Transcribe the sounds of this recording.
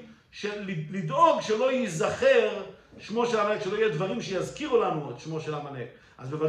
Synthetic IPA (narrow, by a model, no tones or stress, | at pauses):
ʃellid̪o̞ɡʃe̞lo̞jizaχeʁʃmo̞ʃelamanekʃelo̞ijed̪vaʁimʃejazkiʁulanuet̪ʃmo̞ʃelamane | ʔazbeva